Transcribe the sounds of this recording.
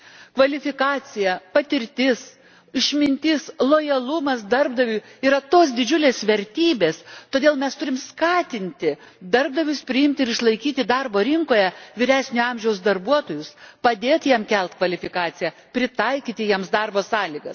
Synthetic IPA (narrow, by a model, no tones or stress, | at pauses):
kʋɐlʲɪfʲɪkɑːt͡s̪ʲɪjɛpɐt̪ʲɪɾʲt̪ʲɪs | ɪʃʲmʲɪnʲt̪ʲɪslˠoːjɐlˠʊmɐsd̪ɐrb̚d̪ɐʋʲuːiːɾɐt̪oːs̬d̪ʲɪd͡ʒʲʊlʲeːsʋʲɛɾʲt̪ʲiːbʲeːst̪oːd̪ʲeːlˠmʲɛst̪ʊɾʲɪmskɑːt̪ʲɪnʲt̪ʲɪd̪ɐrb̚d̪ɐʋʲʊspʲɾʲɪɪmʲt̪ʲɪɾɪʃlˠɐɪkʲiːt̪ʲɪd̪ɐrboːɾʲɪŋkoːjɛʋʲiːɾʲæːsʲnʲʊɐmʲʒʲɛʊsd̪ɐrbuɔt̪oːjʊspɐd̪ʲeːt̪jiɛmkʲɛlˠt̪kʋɐlʲɪfʲɪkɑːt͡s̪ʲɪjɛ | pʲɾʲɪt̪ɐɪkʲiːt̪ʲɪjiɛmsd̪ɐrboːsɑːlʲɪɡɐs